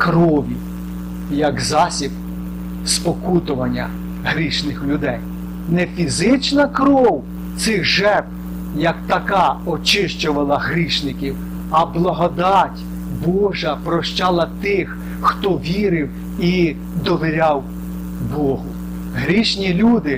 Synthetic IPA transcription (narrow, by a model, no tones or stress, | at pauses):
kɾɔʋʲi | jɐkzɑsʲib | spɔkut̪ʊʋɐnʲːɐ̰ | ɦɾʲiʃnɪxlʲʊd̪ɛj | nefʲizɪt͡ʃnɐkɾɔw | t̪sɪɣʒɛk | jɐkt̪ɐkɑɔt͡ʃɪʃt͡ʃɔʋɐlˠɐɦɾʲiʃnɪkʲiw | ɐblˠɐɦɔd̪ɑtʲ | bɔʒɐpɾɔʃt͡ʃɑlˠɐt̪ɪx | xt̪ɔʋʲiɾɪw | i | d̪ɔʋʲiɾʲɑw | bɔɦʊ | ɦɾʲiʃnʲilʲud̪ɪ